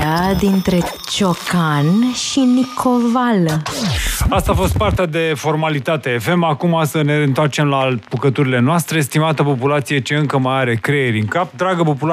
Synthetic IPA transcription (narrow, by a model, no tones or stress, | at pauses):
ad̪int̪ɾe̞ | t͡ʃo̞kʰanʃinikʰoval | ast̪aːfo̞st̪̚part̪ead̪e̞fo̞rmalit̪at̪e̞fe̞makumasəne̞ɨnt̪oart͡ʃe̞mlapukət̪uɾile̞noast̪ɾe̞st̪imat̪əpo̞pulat̪sije̞t͡ʃeɨŋkəmajaɾe̞kɾejeɾiɨŋkap̚d̪ɾaɡəpo̞pula